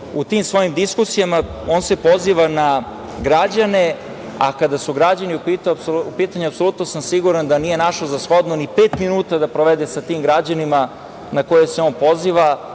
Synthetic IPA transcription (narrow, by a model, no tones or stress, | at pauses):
ut̪iːmsʋo̞jimd̪iskusijamao̞ːnsepo̞ziʋana | ɡɾad͡ʑane | a̰kad̪asuɡɾad͡ʑaniupit̪upiːt̪aɲeapsolˠut̪nosamsiɡuɾand̪anije̞naʃozasxo̞d̪nonipeːt̪minuːt̪ad̪apɾoʋed̪esat̪iːmɡɾad͡ʑanima | nako̞jeseoːnpo̞ziːʋa